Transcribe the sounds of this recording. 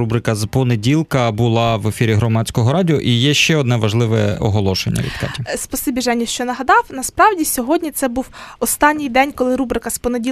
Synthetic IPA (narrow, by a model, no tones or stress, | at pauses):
ubɾɪkɐzpɔnedʲilˠkɐbʊlˠɑʋefʲiɾʲiɦɾɔmɑtʲt͡sʲkɔɦɔɾɑdʲiɔʔijɛʃt͡ʃɛɔd̪nɛʋɐʒlˠɪʋɛɔ̰ɦɔlˠɔʃḛnʲːɐ̰ʋʲḭd̪kɑ̰tʲispɔsɪbʲiʒɛnʲiʃt͡ʃɔnɐɦɐd̪ɑwnɐspɾɑwdʲisʲɔɦɔdʲnʲit̪sɛbuwɔst̪ɑnʲːijd̪ɛnʲkɔlˠɪɾubɾɪkɐspɔnedʲi